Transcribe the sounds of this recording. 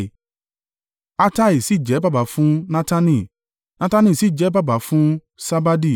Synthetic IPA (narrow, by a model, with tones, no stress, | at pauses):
a˦ta˦i˨si˨˦˨d͡ʒɛ˨˦ba˦ba˨˦fũ˦nã˦ta˦nĩ˧˨ | nã˦ta˦nĩ˧˨si˨˦˨d͡ʒɛ˨˦ba˦ba˨˦fũ˦ | sa˦ba˦di˦